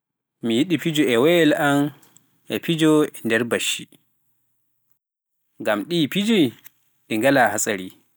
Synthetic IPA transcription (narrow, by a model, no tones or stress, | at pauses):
mijiɗipid͡ʒɔɛwɛlam | ʔɛpid͡ʒɔɛndɛɾbaʃi | ŋɡamɗiːpid͡ʒi | ɗiŋɡalahasʼaɾi